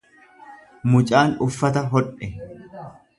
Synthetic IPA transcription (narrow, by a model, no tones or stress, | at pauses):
mʊt͡ʃʼaːnʊfːɐt̪ɐɦɔᶑɛ